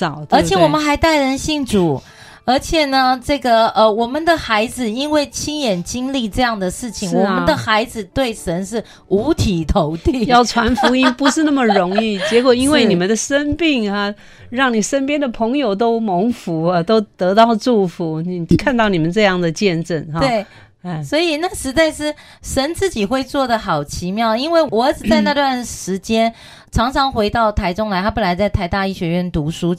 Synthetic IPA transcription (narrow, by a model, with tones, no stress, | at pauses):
ɑ˨˩˦ʊt̪wə˞˧˥jɛ˨˩wɔ˨˩mə˦nxa˧˥ɪt̪a˥˩ɪɻə˧˥nɕi˥˩ŋʈ͡ʂu˨˩˦ | ə˞˧˥t͡ɕʰjɛ˨˩nə˩ʈ͡ʂɤ˥˩ɡə˩ə˧wɔ˨˩mə˦nd̪ə˨xa˧˥ɪd͡zɹ̩˨i˥nwe˥˩ɪt͡ɕʰi˥ŋjɛ˨˩nt͡ɕi˥ŋli˥˧ʈ͡ʂɤ˥˧jɑ˥˩ŋd̪ə˩ʂɻ̩˥˩t͡ɕʰi˨˩˦ŋwɔ˨˩mə˦nd̪ə˨xa˧˥ɪd͡zɹ̩˨˧t̪we˥˩ɪʂə˧˥nʂɻ̩˥˩ | u˧˥t̪ʰi˨˩t̪ʰo˧˥ʊt̪i˥˩jɑ˥˩ʊʈ͡ʂʰwa˧˥nfu˧˥i˥npu˧˥ʂɻ̩˥˧na˥˩mə˨ɻʊ˧˥ŋi˥˩t͡ɕjɛ˧˥kwɔ˨˩i˥nwe˥˩ɪni˨˩mə˦nd̪ə˩ʂə˥npi˥˩ŋa˧ | ɻɑ˥˩ŋni˨˩ʂə˥npjɛ˥nd̪ə˨pʰɤ˧˥ŋjo˨˩ʊt̪o˥ʊmo˧˥ŋfu˧˥a˧t̪o˥ʊt̪ɤ˧˥t̪ɑ˥˧ʊʈ͡ʂu˥˩fu˨˧˥ni˨˩kʰa˥˧nt̪ɑ˥˩ʊni˨˩ə˦nʈ͡ʂɤ˥˧jɑ˥˩ŋd̪ə˩t͡ɕjɛ˥˧nʈ͡ʂə˥˩nhwe˥˩ɪ˥˩ | swɔ˧˥i˨˩na˥˩ʂɻ̩˧˥t͡sa˥˧ɪʂɻ̩˥˩ | ʂə˧˥nt͡sɹ̩˥˩t͡ɕi˨˩xwe˥˧ɪt͡swɔ˥˩d̪ə˩xɑ˨˩ʊt͡ɕʰi˧˥mjɑ˥˩ʊi˥nwe˥˩ɪwɔ˧˥ʈ͡ʂɻ̩˨˩t͡sa˥˧na˥˧t̪wa˥˩nʂɻ̩˧˥t͡ɕjɛ˥n | ʈ͡ʂʰɑ˧˥ŋʈ͡ʂʰɑ˧˥ŋxwe˧˥ɪt̪ɑ˥˩ʊt̪ʰa˧˥ɪʈ͡ʂʊ˥ŋla˧ɪt̪ʰa˥pə˥˩nla˧˥ɪt͡sa˥˧ɪt̪ʰa˧˥ɪt̪a˥˧i˥˩ɕɥɛ˧˥ɥɛ˥˩nt̪u˧˥ʂu˥